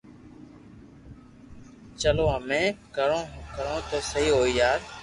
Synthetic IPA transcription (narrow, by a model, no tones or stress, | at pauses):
t͡ʃəlõːəmẽːkəɾõːkəɾõːt̪oːsəɦiːɦoːiːjaːɾ